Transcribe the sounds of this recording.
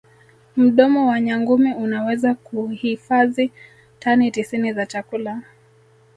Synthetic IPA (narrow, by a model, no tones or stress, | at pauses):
m̩ɗɔmɔwaɲaŋɡumiunawɛzakuhifazi | tanitisinizat͡ʃakula